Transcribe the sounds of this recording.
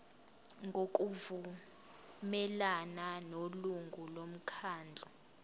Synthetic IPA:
ŋɡʱok̬ʼuvu | mɛlananoluŋɡʱulom̩kʰaːnd͡ɮʱɔ

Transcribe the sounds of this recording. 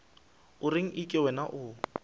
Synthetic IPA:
ʊrɪŋ̩ʔikʼɪwɛnaʔʊ

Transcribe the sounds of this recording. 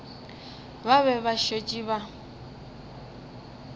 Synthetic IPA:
baβɛβaʃet͡ʃʼiβa

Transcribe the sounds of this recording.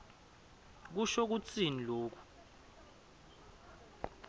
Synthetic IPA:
k̬uʃok̬ut͡sʼiniloːk̬u̥

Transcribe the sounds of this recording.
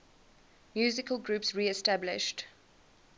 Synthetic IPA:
mjʉːzɪkəlˠɡɹʉːˑpsɹiːɛstablɪ̰ʃt

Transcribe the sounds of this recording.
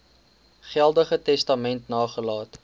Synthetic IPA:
χælˠdəχətɛstɐmɛntnɑːχəlɑːt

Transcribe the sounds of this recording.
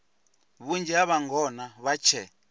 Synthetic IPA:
βund͡ʒɛaβaŋɡɔnaβat͡ʃʰɛ

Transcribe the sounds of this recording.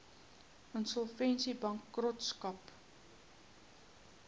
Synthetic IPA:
ʔənsɔlˠfɛnsibɐŋkːrɔtskɐp

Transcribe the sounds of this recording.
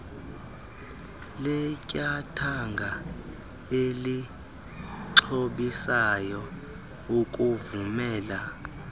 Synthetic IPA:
lɛcʼatʰaŋɡʱa | eli | ǀʰoɓisajɔ | ukʼuvumɛːla

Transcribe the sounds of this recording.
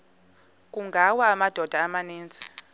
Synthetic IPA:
k̬ʼuŋɡʱawaːmad̥ʱɔd̥ʱaːmaniːnt͡sʼi̥

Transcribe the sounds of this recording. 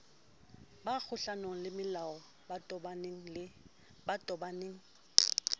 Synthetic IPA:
bak͡xʰʊɬanoŋ̩lɪmɪlaɔ | batbŋ̩ | batʼɔbaneːŋ̩

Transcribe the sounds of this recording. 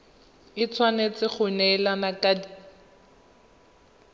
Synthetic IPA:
ɪt͡sʰwanet͡sɪχʊnɛːlanakadi

